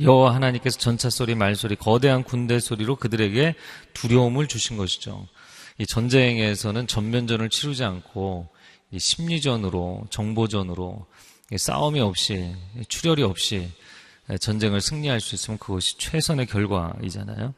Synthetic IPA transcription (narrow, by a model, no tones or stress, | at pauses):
jʌɦwaɦanaɲimk͈e̞sʰʌt͡ɕʌnt͡ɕʰas͈oɾimaɭs͈oɾikʌde̞ɦankunde̞sʰoɾiɾokɯdɯɾe̞ɡe̞tuɾjʌomɯɭt͡ɕuɕʰinɡʌɕʰi̥d͡ʑo̰ | it͡ɕʌnd͡ʑe̞ŋe̞sʰʌnɯnt͡ɕʌmmjʌnd͡ʑʌnɯɭt͡ɕʰiɾud͡ʑiankʰo | iɕʰimɲid͡ʑʌnɯɾo̰t͡ɕʌŋbod͡ʑʌnɯɾo̰ | is͈a̰umiʌp̚ɕ͈it͡ɕʰuɾjʌɾiʌp̚ɕ͈i | et͡ɕʌnd͡ʑe̞ŋɯɭsʰɯŋɲiɦaɭs͈uis͈ɯmjʌnkɯɡʌɕʰi̥t͡ɕʰwe̞sʰʌne̞kjʌɭɡwa̰ḭd͡ʑa̰na̰jo